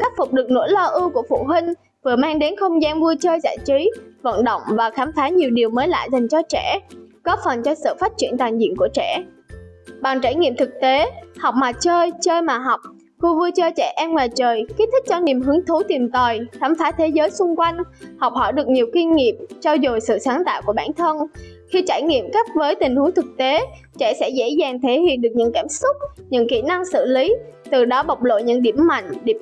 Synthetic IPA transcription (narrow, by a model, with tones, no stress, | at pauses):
xa˦˥k̚fʊ˨˩k͡p̚ɗɨ˨˩k̚no̰˧˥jlɔ˧ʔɨ˧ku˧˩əfṵ˧˨ɦï˧ŋ̟ | vɨ˨˩əmaː˧ŋɗe˨˦nxə˧wŋ͡mzaː˧nvu˧ət͡ɕəː˧jza̰ː˧˨jt͡ɕi˨˦və̰˧˨nɗə̰˧˨wŋ͡mvaː˨˩xaː˨˦mfaː˨˦ɲi˨˩wɗi˨˩əwməː˨˦jla̰ː˧˨jza˨˩jŋ̟t͡ɕɔ˧t͡ɕɛ˧˩kɔ˨˦fə˨˩nt͡ɕɔ˧sɨ̰˧˨faː˦˥t̚t͡ɕi˧˩ənt̪waː˨˩nzḭ˧˨ənku˧˩ət͡ɕɛ˧˩ | ɓaː˨˩ŋt͡ɕaː˧˩jŋḭ˧˨mt̪ʰɨ˨˩k̚t̪e˨˦ha˨˩wk͡p̚maː˨˩t͡ɕəː˧jt͡ɕəː˧jmaː˨˩ɦɔ˨˩wk͡p̚ | xu˧vu˧ət͡ɕəː˧t͡ɕɛ˧˩ʔɛ˧mŋwaː˨˩jt͡ɕəː˨˩jke˦˥t̪ʰï˦˥k̚t͡ɕɔ˧ni˨˩əmɦɨ˨˦əŋt̪ʰu˨˦t̪i˨˩mt̪ə˨˩jt̪ʰaː˨˦mfaː˨˦t̪ʰe˨˦zəː˨˦jsʊ˧ŋ͡mkwa˧jŋ̟hɔ˨˩wk͡p̚hɔ˧˩jɗɨ˨˩ək̚ɲi˨˩əwki˧nŋi˨˩əp̚t͡ɕɔ˧wzo˨˩jsɨ̰˧˨saː˨˦ŋt̪a̰ː˧˨wku˧˩ɓaː˧˩˨nt̪ʰə˧nxi˧t͡ɕaː˧˩jŋḭ˧˨əmka˦˥p̚vəː˨˦jt̪ï˨˩ŋ̟hu˨˦əŋt̪ʰɨ˨˩k̚t̪e˨˦ | t͡ɕɛ̰˧˥sɛ̰˧˥zḛ˧˥zaː˨˩ŋt̪ʰe˨˦hḭ˧˨ənɗɨ˨˩ək̚ɲɨ̰˧˥ŋkaː˧˩msʊ˦˥k͡p̚ɲɨ̰˧˥ŋkḭ˧˩na˧ŋsɨ̰˧˨li˨˦t̪ɨ˨˩ɗɔ˨˦ɓa˨˩wk͡p̚lo̰˧˨jɲɨ̰˧˥ŋɗi˧˩əmːa̰˧˨jŋ̟ɗi˧˩